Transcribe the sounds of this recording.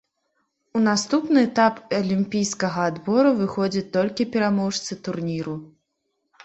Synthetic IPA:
unast̪upnɨɛt̪apɐlʲimpʲijskɐɣɐːd̪bɔɾuvɨxɔd͡zʲɐt͡sʲt̪ɔlʲkʲipʲɛɾamɔʂt̪sɨt̪urnʲiɾu

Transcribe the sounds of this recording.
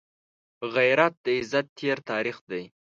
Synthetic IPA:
ɣajɾat̪̚d̪əɪzat̪ʰːeɾt̪ɑɾixd̪aj

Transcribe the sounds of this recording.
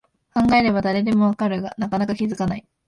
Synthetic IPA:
kãŋɡae̞ɾe̞bad̪aɾe̞d̪e̞mo̞βakaɾɯ̟ɡanakanakakʲizɨkanai

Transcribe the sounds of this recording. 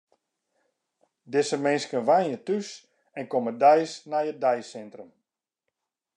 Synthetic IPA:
dɪsəmɪnskənʋajnjətys | ɛnkomədɛjsnajədɛjsɛntrəm

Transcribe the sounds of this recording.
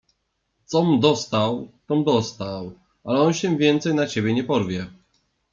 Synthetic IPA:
t̪sɔmd̪ɔst̪awt̪ɔmd̪ɔst̪aw | ʔalɛɔnɕɛvʲjɛnt̪sɛjnat͡ɕebʲjɛɲɛpɔɾvʲjɛ

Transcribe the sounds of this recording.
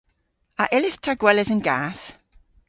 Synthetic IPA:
aʔɛlɪθtʰaɡwɛlɛzənɡaːθ

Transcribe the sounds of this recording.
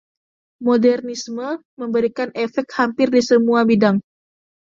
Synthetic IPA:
modɛrnismə | məmbəɾikanefɛk̚t̪̚hampɪrdisəmuabidaŋ

